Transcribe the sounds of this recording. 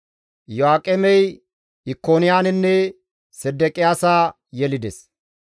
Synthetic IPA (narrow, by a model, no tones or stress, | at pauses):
joaːkʼɛmɛj | ɪkːoːnɪjaːnɪnːɛ | sɛd̪ːɛkʼɪjaːsaː | jɛlɪd̪ɛs